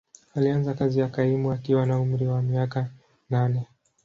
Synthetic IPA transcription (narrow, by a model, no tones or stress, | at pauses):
alianzakazijakaimuakiwanaum̩ɾiwamiaka | nanɛ